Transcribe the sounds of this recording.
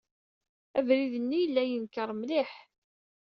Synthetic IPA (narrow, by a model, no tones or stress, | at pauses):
ævɾiðənːijəlːæjənkəɾˤmliħ